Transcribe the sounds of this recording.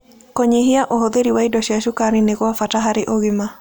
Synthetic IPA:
kɔɲeɦɪaʔoɦod̪eɾiwaidɔʃiaʃukaɾɪnekɔafataɦaɾɪʔoɡɪma

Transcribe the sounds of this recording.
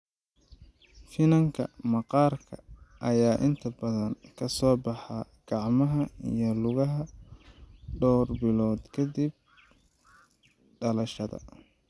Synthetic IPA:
fɪnɐŋkʰɐ̰mɑqɑːrkʰɐ̰ʔɐjaːʔɪnt̪ʰɐbɐðɐŋkʰɐsɔːbɑħɑ | ɡ̥ɑʕmɐɦɐḭjɔlʊɣɐɦɐ | ɖɔːrbɪlɔːd̪kʰɐd̪ib̚ | ɖɐlɐʃɐðɐ̰

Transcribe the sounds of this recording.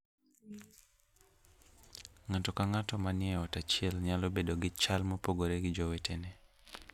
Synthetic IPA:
ŋatɔkaŋatɔmanɪɛɔtat͡ʃɪɛlɲalobedoɡɪt͡ʃalmopoɡoɾeɡɪd͡ʒowetʰenɛ

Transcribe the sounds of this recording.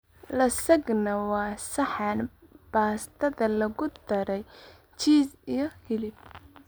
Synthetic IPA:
lɐsɐɡnɐwɑːsɐħɑnb̥aːst̪ʰɐðɐlɐɣʊd̪ɐɾɛj | t͡ʃiːsijɞhɪlɪb

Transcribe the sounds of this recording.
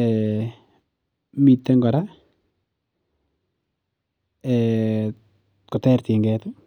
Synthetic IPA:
ɛ | mitːɛŋɡɔɾa | ɛ | kɔtɛɾtiŋɡɛt

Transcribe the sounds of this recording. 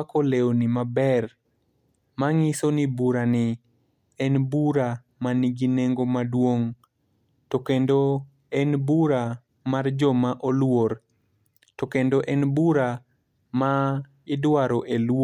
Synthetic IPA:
akoleonimabɛr | maŋɪsonibuɾanɪ | ɛnbuɾa | maniɡineŋɡomadwoŋ | tokendo | ɛnbuɾa | mard͡ʒɔmaʔolwoɾ | tokendoʔɛnbuɾa | ma | ɪdwaɾoʔelw

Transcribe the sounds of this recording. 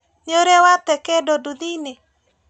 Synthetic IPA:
ɲoɾewat̪ɛkedodud̪ine

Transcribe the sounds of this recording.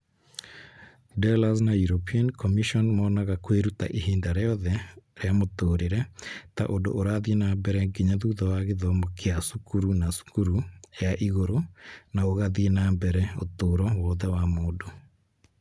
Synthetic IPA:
dɛlas̬najuɾopʰiankɔmiʃɔnmɔnaɣakweɾuta̰ʔeɦiːndaɾɛɔðɛɾeamotoːɾeɾɛta̰ʔondo̰ʔoɾaðienambɛɾɛɡiɲaðuːðɔwaɣeðɔmokeasukuɾunasu̥kuɾujaʔiɣoɾonaoɣaðienambɛɾɛo̰toːɾɔwɔːðɛwamoːdo

